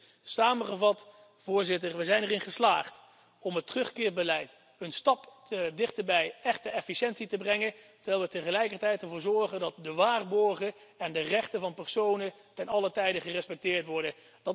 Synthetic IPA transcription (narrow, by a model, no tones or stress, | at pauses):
saːməχəvɑt | v̥ʊːɹzɪtəɹʋəzɛjnərɪnχəslaːχt | ɔmɦətərɵχkɪːɹbəlɛjt | ənstɑpədɪχtəbɛjɛχtəɛfiʃɛntsitəbrɛŋətəɹʋɛːlˠʋətəχəlɛjkərtɛjtɛɹvʊːɹzɔɹχəndɑt̚dəʋaːrbɔɹχəɛndərɛχtəvɑnpɛɹsownə | tɛnɑlətɛjdəχərɛspɛk̚tɪːɹtʋɔɹdə | dɑt